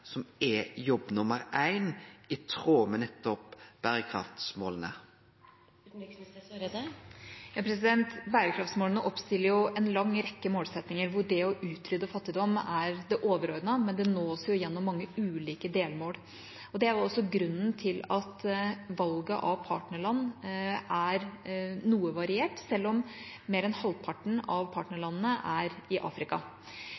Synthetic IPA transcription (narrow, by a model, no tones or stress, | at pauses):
sɔmɛjɔbːnʊməɾæɪnɪt̪ʰʁoːmənɛt̪ːɔpb̥æːɾəkʰɾɑ̰ft̪smo̰ːlənə̰ | jɑːpʰɾɛs̬ɪd̪ɛnt̪bæːɾəkʰɾɑft̪smoːlənəʔɔpst̪ɪlːəɾjʊɛnlɑŋːɾɛkːəmoːlsɛt̪nɪŋəɾʋʊɖɛɔʔʉːt̪ʰɾʏd̪ːəfɑt̪ːɪd̪ɔmːæɾd̪ɛʔoːʋəɾoːɾd̪ənɑmɛnd̪ɛnoːsjʊɪjɛnːɔmːɑŋːəʉːliːkəd̪eːlmoːl | ɔd̪ɛæɾʊɔsːɔɡɾʉnːənt̪ʰɪlɑt̪ʋɑlɡə̰ʔɑʋpʰɑːʈnəɭɑnːʔæɾnuːəʋɑɾɪeːʈsɛlːɔm | meːɾɛnhɑlpʰɑʈɳ̩ɑʋpʰɑːʈnəɭɑnːnəʔæɾɪʔɑ̰ːfɾɪkɑ̰